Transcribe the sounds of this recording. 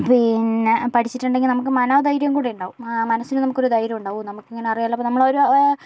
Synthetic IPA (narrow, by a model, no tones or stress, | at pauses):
pinːepɐʈʰit͡ɕːiʈːuɳɖe̞ŋɡilnɐmuk̬ːɨmɐnad̪ɐjɾjɐmkuːɽejuɳɖaːʋummɐnɐsːinɨnɐmukːo̞ɾud̪ɐjɾɐmuɳɖaːʋumnɐmukːiŋːɐne̞ɐrijaːlːɐpːonɐmːɐɭoɾu